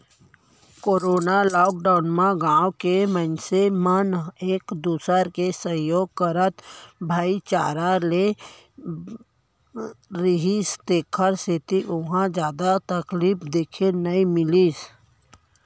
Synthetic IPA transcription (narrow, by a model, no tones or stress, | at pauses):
koːɾoːnalɔːk̚ɖaʊnmãɡãːokemənseməneːkd̪uːsəɾkesə̃joːɡ̚kəɾət̪bʱaːit͡ʃa̰ːɾale | ɾɪɦist̪eːkʰəɾset̪iʔʊɦãd͡ʒjaːd̪at̪əkliːpd̪eːkʰenəĩmɪliːs